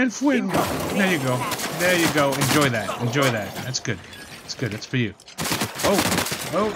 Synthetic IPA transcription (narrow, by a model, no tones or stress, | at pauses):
ɨ̃nfwɪðə˞jɨɡoʊðə˞jɨɡoʊɨ̃nd͡ʒɔɪðæt̚ɨ̃nd͡ʒɔɪðæt̚ðætsɡ̥ʊd̚ | ðætsɡ̥ʊd̪̚ðætsfə˞jʉ | oʊoʊ